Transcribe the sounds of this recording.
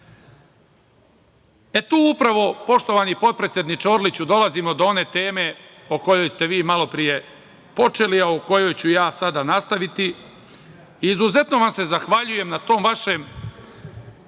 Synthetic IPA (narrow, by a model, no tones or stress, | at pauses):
e̞t̪uːupɾaʋo̞po̞ʃt̪o̞ʋaːnipo̞t̪̚pɾe̞t̪sjed̪nit͡ʃoːɾlit͡ɕud̪o̞lazimo̞d̪oo̞ne̞ːt̪e̞ːme̞ | oko̞jo̞jst̪e̞ʋiːmalo̞pɾije̞ | po̞t͡ʃe̞liauko̞jo̞jt͡ɕujaːsad̪anast̪aʋit̪i | iːzuze̞t̪no̞ʋamse̞zaxʋaʎuje̞mnat̪o̞ːmʋaʃe̞ːm